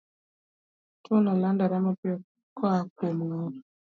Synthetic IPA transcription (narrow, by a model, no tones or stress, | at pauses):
tʰolɔlandaɾamɔpe | kʰɔakomŋɔɾ